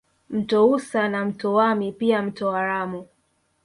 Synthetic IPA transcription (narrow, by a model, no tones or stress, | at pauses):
m̩tɔusanam̩tɔwamipiam̩tɔaɾamu